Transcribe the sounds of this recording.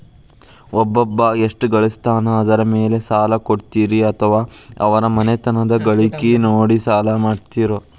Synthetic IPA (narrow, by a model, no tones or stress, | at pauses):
ɔbːɔbːɐeʂʈɡɐɭist̪aːnɐːd̪ɐɾɐmeːle̞saːlɐkoɽt̪iːɾiɐt̪ʰɐʋaːɐ̰ʋɐɾɐmɐnet̪ɐnɐd̪ɐɡɐɭikinoːɽisaːlɐmaːɖt̪iːɾoː